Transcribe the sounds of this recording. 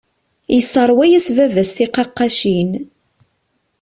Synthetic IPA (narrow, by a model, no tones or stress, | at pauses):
jəsəɾˤwæjæsvævæsθiqɑqːɑʃin